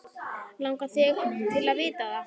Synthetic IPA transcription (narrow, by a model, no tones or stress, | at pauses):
lawŋkaθʰɪɣt̪ʰɪlaðvɪːt̪aða